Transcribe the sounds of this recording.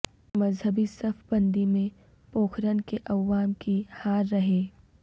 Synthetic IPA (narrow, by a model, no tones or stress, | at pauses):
mɐzɦəbisɐfbɐ̃nd̪imẽ | poːxʰɾənkeʔɐʋaːmkihaːɾːɐɦeː